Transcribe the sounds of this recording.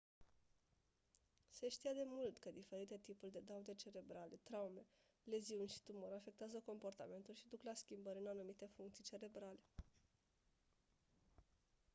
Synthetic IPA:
se̞ʃt̪ijad̪e̞mult̪kəd̪ife̞ɾit̪e̞t̪ipurʲd̪e̞d̪aud̪et͡ʃe̞ɾe̞bɾale̞t̪ɾaume̞ | le̞ziunʲʃi̥t̪umoɾafe̞k̚t̪eazəko̞mpo̞rt̪a̰me̞nt̪ulʃid̪uklaskʲimbəɾʲɨnanumit̪e̞fuŋkt̪sijt͡ʃe̞ɾe̞bɾale̞

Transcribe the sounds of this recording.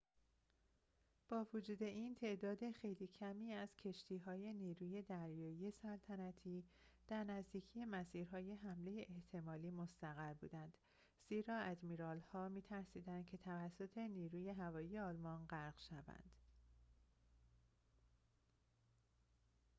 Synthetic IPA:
b̥ɒːvod͡ʒuːd̪e̞ʔiːnt̪ʰe̞ʔd̪ɒːd̪e̞xe̞jliːcʰæmiːæz̥cʰe̞ʃt̪ʰiːɦɒːje̞niːɾuːje̞d̪æɾjɒːije̞sælt̪ʰænæt̪ʰiː | d̪̥æɾnæzd̪iːcʰije̞mæsiːɾɦɒːje̞ɦæmle̞jeʔeht̪ʰe̞mɒːliːmost̪æɣæɾbṵːd̪ænd̪̥ | z̥iːɾɒːæd̪miːɾɒːlhɒːmiːt̪ʰæɾsiːd̪ænd̪̥̚cʰe̞t̪ʰævæsːo̞t̪ʰe̞niːɾuːje̞ɦævɒːiːje̞ɒːlmɒnɢæɾɡʃævæ̰nd̪̥

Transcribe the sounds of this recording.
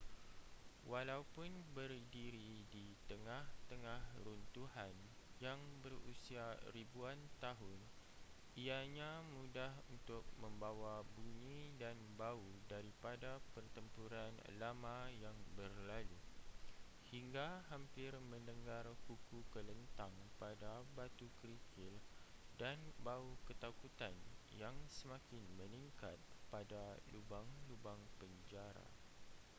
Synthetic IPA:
walaupʊnbərdiɾidit̪əŋãht̪əŋãhɾunt̪uhan | jaŋbərusiaɾibuant̪aɦʊn | iaɲãmũdahunt̪ʊk̚mə̃mbawabuɲĩdanbaudaɾipadapərt̪əmpuɾan̰lamãjaŋbərlalu | hiŋɡaɦampɪrmə̃ndəŋɡarkukukələnt̪aŋpadabat̪ukɾikʰɪldanbaukət̪akut̪anjaŋsəmãkɪnmənĩŋkat̪̚padalubaŋlubaŋpəɲd͡ʒaɾa̰

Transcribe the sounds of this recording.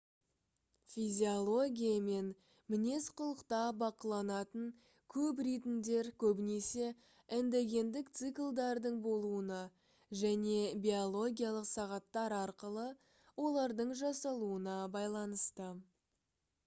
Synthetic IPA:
fʲizʲiolˠo̞ɡʲijame̞n | mɪne̞sqʰʊlˠəqt̪ɑbɑqəlˠɑnɑt̪əɴ | kʲʰɵp̬ɾijt̪ɪmd̪e̞ɾkʲʰɵbɪne̞se̞ | ɪnd̪eɡʲe̞nd̪ɪk̚t̪sɨklˠd̪ɑɾd̪əɴbo̞lˠuənɑ | ʒæne̞bʲiolˠo̞ɡʲijalˠəqsɑʁɑt̪ːɑɾɑɾqəlˠə | wo̞lˠɑɾd̪əɴʒɑsɑlˠuənɑbɑjlˠɑnəst̪ə

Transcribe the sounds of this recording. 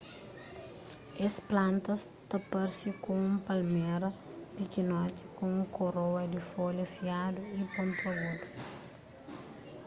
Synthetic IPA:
esplãnt̪ɐst̪ɐpɐɾsikõũmpɐlmɛɾɐ | pikinɔt̪i̥kõũŋkoɾowɐd̪ifolɐfiaduipõnt̪olad̪u

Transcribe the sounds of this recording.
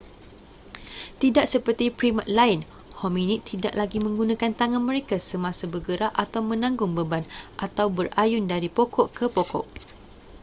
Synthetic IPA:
t̪idaʔ̚səpərt̪ipɾimat̪̚laɪn | hɔmĩnit̪ʰːida̰ʔlaɡimə̃ŋɡunãkant̪aŋãnmə̃ɾekasəmãsabəɡəɾaʔʔat̪awmə̃nãŋɡʊŋbəbanʔat̪awbərʔajʊndaɾipokɔʔkəpokɔ̰ʔ

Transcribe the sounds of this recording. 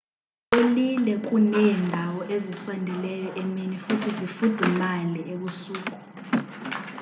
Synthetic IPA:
olilɛk̬ʼunɛːndʱawɔʔezisɔndʱɛlɛjɔʔɛmenifutʰizifud̥ʱɛmalɛeɓusuːkʼu̥

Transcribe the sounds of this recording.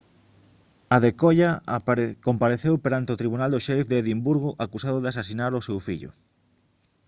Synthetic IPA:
aðekoʎa | kompaɾeθewpeɾant̪eot̪ɾiβunald̪oʃɛfd̪eeðimbuɾɣoʔakusaðoðas̬asinaɾosewfiʎʊ̰

